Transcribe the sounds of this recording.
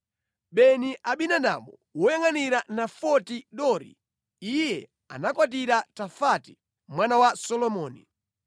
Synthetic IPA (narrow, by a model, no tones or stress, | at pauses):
ɓɛniʔaɓinana̰mɔ | wɔjaŋaniɾanafɔtiɗɔɾḭ | ijɛ | a̰nakwat̬iɾatafati̥ | mwanawasɔlɔmɔːnḭ